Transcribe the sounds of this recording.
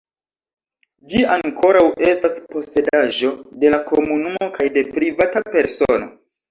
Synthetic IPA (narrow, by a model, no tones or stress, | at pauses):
d͡ʒiaŋkʰo̞ɾawʔe̞staspo̞se̞daʒo̞de̞lakʰomunumo̞kajde̞pɾivatape̞ɾso̞no̞̰